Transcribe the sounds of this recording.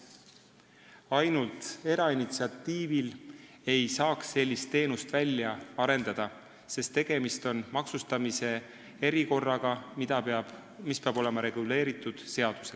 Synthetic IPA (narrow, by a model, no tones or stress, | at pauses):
ɑjnult̪e̞ɾɑinit̪siɑt̪ːiːvil | e̞jsɑːksːe̞lʲːist̪ːe̞ːnust̪vælʲːjɑɑɾe̞nd̪̥ɑd̪̥ɑ | se̞st̪ːe̞ɡ̥e̞mist̪o̞nmɑksust̪ɑmise̞ | e̞ɾiko̞rːɑɡ̥ɑid̪ɑ̥ | mispeɑb̥o̞le̞mɑɾe̞ɡ̥ule̞ːɾit̪ːˑud̪̥se̞ɑd̪̥use̞l